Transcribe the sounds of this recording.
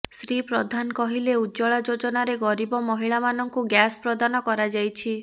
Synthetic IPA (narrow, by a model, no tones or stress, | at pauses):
sɾipɾɔd̪ʱanɔkɔɦileud͡ʒɔɭad͡ʒod͡ʒɔnaɾeɡɔɾibɔmɔɦiɭamanɔŋkuɡjaspɾɔd̪anɔkɔɾad͡ʒajt͡ʃʰi